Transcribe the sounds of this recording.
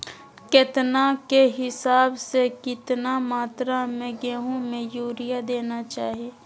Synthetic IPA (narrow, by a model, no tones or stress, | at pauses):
kɪt̪nakeɦɪsaːbsekɪt̪namaːt̪ɾamẽɡɛːɦõmẽjuːɾijad̪eːnat͡ʃaːɦieː